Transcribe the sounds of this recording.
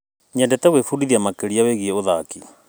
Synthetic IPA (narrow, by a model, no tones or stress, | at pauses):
ɲɛndɛt̪ɛɣwefudiðiamakeɾiaweɣiɛoða̰ki